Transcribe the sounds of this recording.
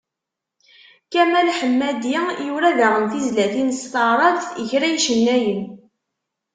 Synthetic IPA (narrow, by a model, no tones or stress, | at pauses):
kæmælħəmːæd̪ijuɾæðaʁənθizlæθinst̪ɑɾˤɑðθəçɾæjʃənːæjən